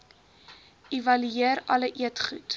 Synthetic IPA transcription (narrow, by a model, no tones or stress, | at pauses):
ivɐlyiəɾɐləʔiətχut